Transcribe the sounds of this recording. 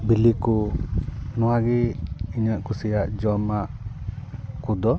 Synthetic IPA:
biliku | nɔwaɡɛiɲaʔkusɛjaʔd͡ʒɔmaʔ | kud̪ɔ

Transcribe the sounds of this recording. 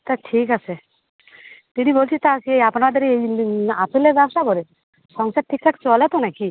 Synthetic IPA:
t̪aʈʰikase | t̪inibolt͡ʃʰit̪akejapnad̪ɔɾijapilebabsakɔɾe | sɔŋsaʈʰːik̚t̪ʰakt͡ʃɔlɛt̪ɔnaki

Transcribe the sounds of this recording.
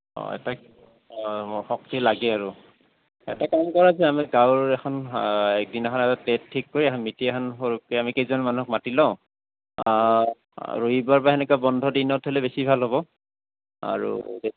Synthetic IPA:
ɔ̰ɛ̰ta | xɔk̚tilaɡɛaɹu | ɛtakamkɔɹazɛamiɡawɹɛkʰɔnɛk̚dinakʰɔnɛtatettʰːikːoɹiɛkʰɔnmitiɛkʰɔnxoɹukɛamikejzɔnmanuɦɔk̚matilɔ̃ʊ̃ | ɹuibaɹpaɛnɛkabɔndʱɔdinɔtʰolɛbesibʱalɦɔbɔ | a̰ɹṵbe

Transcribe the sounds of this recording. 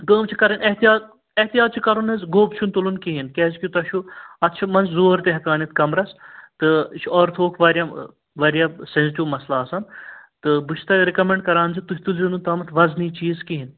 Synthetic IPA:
ɡəːmt͡ʃʰikɐɾɐnʔɐɦt̪ijaːt̪ | ɐht̪ijaːt̪̚t͡ʃʰikɐɾunɐzɡoːbt͡ʃʰunt̪ulunkiɦinkɛːzkʲit̪ɐʃʰuɐt̪t͡ʃʰɐmɐnzzoːɾt̪eɦɐkaːnit̪̚kɐmɾɐst̪ɨt͡ʃʰɔːɾt̪ʰoːkʰʋɐːɾja | ʋɐɾjasensiʈiʋmɐslaːsɐnt̪ɨbɨt͡ʃʰt̪ɐɾekɐmẽɳɖkɐɾaːnzit̪uɦʲt̪ulzinut̪ɐːmɐt̪ʰʋɐzniːt͡ʃiːzkiɦin

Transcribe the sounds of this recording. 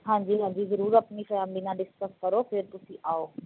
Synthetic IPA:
ɦãːɲd͡ʑiɦãːɲd͡ʑizɐɾuːɾɐpnixɐjaːmbinãɖɪskəskɐɾofʰɪɾt̪ʊsĩʔaːoː

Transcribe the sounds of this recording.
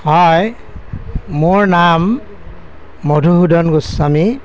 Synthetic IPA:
hɔj | moɹnam | odʱuɦudɔnɡusami

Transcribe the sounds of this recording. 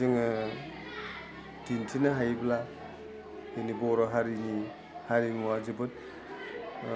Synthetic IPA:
ɯŋɯ | dintʰinaɦajbla | henibɔɾɔɦaɾini | haɾinmuad͡ʒɯbɯt̚

